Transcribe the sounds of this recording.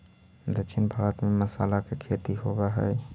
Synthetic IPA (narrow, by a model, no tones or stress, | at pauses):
d̪ət͡ʃʰʃʰinbʱaɾət̪meməsa̰lakekʰet̪iɦobɛɦə̰j